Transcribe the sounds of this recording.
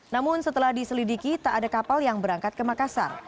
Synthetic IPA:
namʊnsət̪əlahdisəlidikit̪aʔːdakapaljaŋbəɾaŋkat̪̚kəmakasa̰r

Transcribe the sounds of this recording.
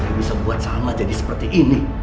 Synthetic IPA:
kibisabuat̪̚samad͡ʒadisə̥pərt̪iʔini

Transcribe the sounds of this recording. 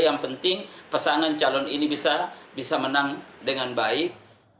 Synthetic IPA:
jaŋpənt̪ɪŋpəsaŋant͡ʃalɔninibisabisamənaŋdəŋanbaɪk̚

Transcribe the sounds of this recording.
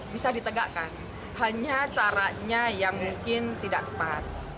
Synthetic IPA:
bisadit̪əɡa̰ʔkan | haɲat͡ʃaɾaɲajaŋmuŋkɪnt̪idaʔ̚t̪ə̥pat̪̚

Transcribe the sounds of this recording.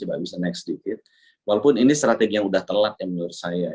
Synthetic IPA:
iba̰ʔbisanɛksdikɪt̪̚ | walopʊninist̪ɾat̪eɡijaŋudaht̪əlat̪̚jamənursaja

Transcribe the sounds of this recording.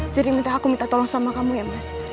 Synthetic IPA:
siɾimint̪aːkumint̪at̪ɔlɔŋsamakamujamas

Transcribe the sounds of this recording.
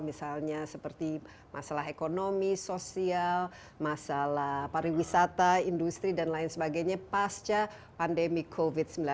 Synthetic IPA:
misalɲasəpərt̪i | mʔasalaɦekonomisosial | masalapaɾiwisat̪aindust̪ɾidanlaɪnsəbaɡajɲapast͡ʃa | pandemikʰovit̪̚səmbila

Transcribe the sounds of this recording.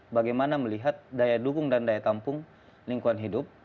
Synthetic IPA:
baɡajmanaməliɦat̪̚dajadukʊŋdandajat̪ampʊŋ | liŋkuanɦidʊp̚

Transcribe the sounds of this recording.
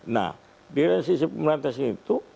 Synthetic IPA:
na̰ | diɾansisepəmɾant̪asinit̪u

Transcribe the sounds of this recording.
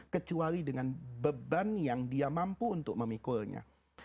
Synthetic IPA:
kət͡ʃuaɾidəŋanbəbanjaŋdiamampuːnt̪ʊk̚məmikulɲã̰

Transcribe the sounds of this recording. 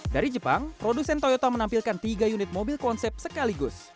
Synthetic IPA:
daɾid͡ʒəpaŋpɾodusɛnt̪ojot̪amənampilkant̪iɡajunɪt̪̚mobilkɔnsɛp̚səkaliɡʊs

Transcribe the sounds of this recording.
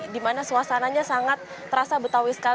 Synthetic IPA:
dimanasuasanaɲasaŋat̪̚ːəɾasabət̪awɪsə̥ka

